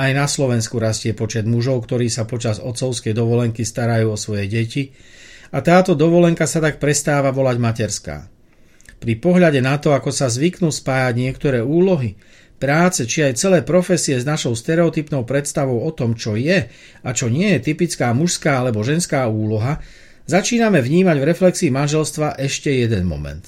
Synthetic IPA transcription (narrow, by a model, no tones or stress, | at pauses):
ajnaslɔʋɛnskuɾascɪɛpɔt͡ʃɛd̪muʒɔʊkt̪ɔɾiːsapɔt͡ʃazɔt̪t͡sɔʊskɛjd̪ɔʋɔlɛŋkist̪aɾajuːɔsʋɔjɛɟɛci | at̪aːt̪ɔd̪ɔʋɔlɛŋkasat̪ak̚pɾɛst̪aːʋaʋɔlaɟmacɛɾska̰ː | pɾipɔɦʎaɟɛnat̪ɔakɔsazʋiknuspaːjaɟɲɪɛkt̪ɔɾɛːuːlɔɦi | pɾaːt͡sɛt͡ʃiajt͡sɛlɛːpɾɔfɛsiɛznaʃɔʊst̪ɛɾɛɔt̪ipnɔʊpɾɛt̪st̪aʋɔʊɔt̪ɔmt͡ʃɔjɛ | at͡ʃɔɲɪɛjɛt̪ipit͡skaːmuʃskaːalɛbɔʒɛnskaːuːlɔɦa | zat͡ʃiːnamɛvɲiːmaɟvɾɛflɛksiːmanʒɛlst̪ʋaʔɛʃcɛjɛd̪ɛnmɔ̰mɛ̰nt̪